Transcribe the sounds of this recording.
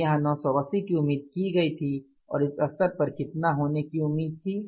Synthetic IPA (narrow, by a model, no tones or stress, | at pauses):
ɐɦãnɔːsɔbɐsikiʊmːiːd̪̚kiɡɐit̪ʰi | ɔ̰ːɾɪsɐsəɾpɐɾkɪt̪naɦoːnekiʊmːiːd̪̚t̪ʰiː